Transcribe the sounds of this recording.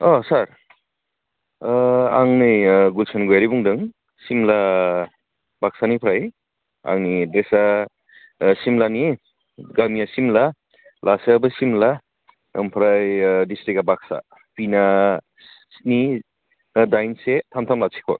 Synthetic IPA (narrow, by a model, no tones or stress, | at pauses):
ɔsaɾ | aŋnɯjɡulsanɡujaɾibuŋdɯŋ | simla | bak̚sanipʰɾaj | a̰ŋnidesa | simlani | ɡamijasimla | lasebɯsimla | ɯmpʰɾajdistɾikabak̚sa̰ | pina | sni | dajnsetʰamtʰamlasʰi̥kʰɔ̰